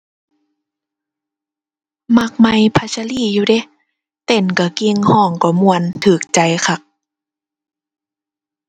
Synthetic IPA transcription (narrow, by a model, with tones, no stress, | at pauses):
ma˧k̚ma˧˦jpʰa˧sa˧liː˧˥˨juː˧de˧˦ | t̪e˧˨˩nka˧˩ki˧ŋhɔː˧˩˨ŋkɔ˧˩mu˧˨ənt̪ʰɯː˨˩k̚t͡ɕa˧˦jkʰa˧˦k̚